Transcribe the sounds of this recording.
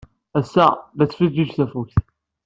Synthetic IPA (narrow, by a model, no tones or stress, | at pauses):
æsːæðæt͡sːfid̪id͡ʒθæfukθ